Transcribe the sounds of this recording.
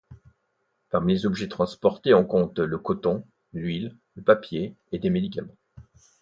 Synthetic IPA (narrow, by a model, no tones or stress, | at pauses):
paʁmilezɔbʒɛt̪χɑ̃spɔʁt̪eɔ̃kɔ̃t̪ləkɔt̪ɔ̃ | lɥilləpapje | ed̪emed̪ikʲamɑ̃